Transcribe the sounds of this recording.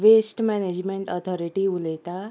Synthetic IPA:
ʋesʈmɛned͡ʒmeɳʈɔt̪ʰɔɾiʈiulet̪a

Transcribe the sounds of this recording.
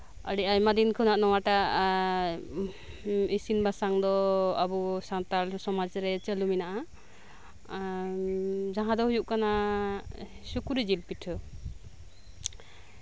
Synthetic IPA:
a̰ɽiajmad̪inkʰɯnaʔnɔwaʈa | isinbasaŋd̪ɔabusant̪alsɔmad͡ʒɾɛt͡ʃəluminaʔa | d͡ʒaɦãd̪ɔɦujuʔkana | sukuɾid͡ʒilpiʈʰɯ

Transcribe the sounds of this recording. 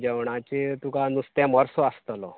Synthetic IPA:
d͡ʑəwɳ̃at͡ɕet̪ukanust̪ãmɔɾsɔəst̪lɔ

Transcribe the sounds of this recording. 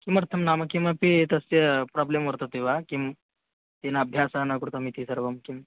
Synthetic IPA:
kiməɾt̪ʰəmnaməkkːĩʋapiːt̪əsepɾɔblemʋəɾt̪ot̪eʋakim | t̪enaəbʱjasanakuɽt̪amit̪isəɾʋəmkim

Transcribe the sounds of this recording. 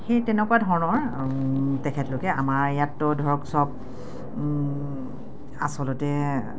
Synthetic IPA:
xejtɛnɛkuwadʱɔɹnɔɹ | tɛkʰɛtlʊkɛʔamaɹjatːɔdʱɔɹɔksɔb̚ | asɔlɔtɛ

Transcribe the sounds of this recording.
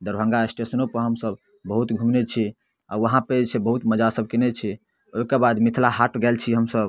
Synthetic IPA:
d̪əɾbʱə̃ŋɡaesʈesənopəɦəmsəb | bəɦut̪ɡʱumnet͡ʃʰi | a̰ʋəɦãpet͡ʃʰebəɦut̪məd͡ʒasəb̚ʱkɛnɛt͡ʃʰi | oikebad̪mit̪ʰlaɦaʈɡɛlt͡ʃʰiɦəmsəb

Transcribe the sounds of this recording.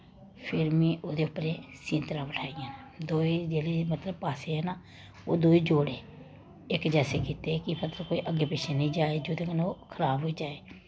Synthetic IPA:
pʰɪɾmĩːʔoːd̪eːʊpːəɾeːsĩːnt̪ɾãːpəʈʰaːijãːnː | d̪oːiːd͡ʒeːleːmət̪ləb̚paːseːɦɛːnaː | oːd̪oːiːd͡ʒoːɽeː | ɪkd͡ʒɛːseːkiːt̪eːkɪpʰət̪əɾkoːiːʔəɡːeːpɪt͡ʃʰeːnĩːd͡ʒaːeːd͡ʒoːd̪eːkənoːkʰəɾaːbɦoːiːd͡ʒaːeː

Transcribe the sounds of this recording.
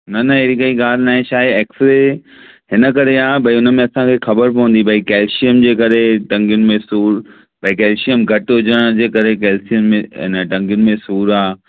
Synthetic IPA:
nɐnɐɦeːɾikɐiɡaːɾnaːɦẽʃaːeːksɾe | hɪnə̆kɐɾeaːbʱɐiʊnə̆mẽɐsãkʰeːxɐbəɾpɐʋə̃nd̪ibʱɐikɛːlʃijəmd͡ʑeːkɐɾeʈɐ̃ŋɡjʊnɪ̆mẽsuːɾ | bʱɐikɛːlʃijəmɡʱɐʈɦʊd͡ʑəɽ̃d͡ʑeːkɐɾekɛːlsijənmẽɪ̰nəʈɐ̃ŋɡjʊnɪ̆mẽsuːɾaː

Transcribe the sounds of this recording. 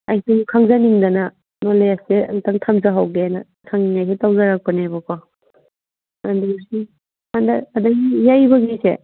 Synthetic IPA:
ajsekʰaŋzaniŋdɐna | noleasḛŋtaŋtʰamzaɦawɡeana | tʰaŋniŋajsetawzaɾak̚panebakɔ | andusi | handaːdaɡijajbaɡisḛ

